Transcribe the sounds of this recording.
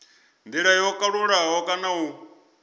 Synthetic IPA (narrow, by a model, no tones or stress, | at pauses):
ndiɺajɔkʼaɺuɺaɦɔkʼanau